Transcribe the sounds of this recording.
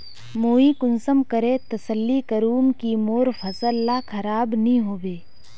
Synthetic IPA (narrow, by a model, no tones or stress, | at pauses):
moːikʊnsəmkəɾet̪ɐsəlːikɐɾuːmkimoːɾpʰɐsəlːakʰɐɾaːbnəĩɦoːbeː